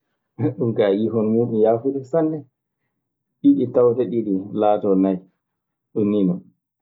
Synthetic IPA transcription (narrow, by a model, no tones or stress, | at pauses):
ɗumkajiɦɔnmuːɗumjaːfuɗisanːɛ | ɗiɗitawtɛɗiɗilaːtɔnaj | ɗunːinɔn